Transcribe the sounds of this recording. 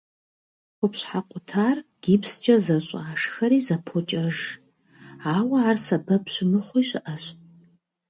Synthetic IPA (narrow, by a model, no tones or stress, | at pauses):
qʷʊpɕħaqʷʊtʰaːrɡ̥iːpst͡ʃʼɐzɐɕʼaːʂxɐɾiːzɐpʰot͡ʃʼɐʒ | aːwɐaːrsɐbɐpɕɪmɨχʷiːɕɪʔɐɕ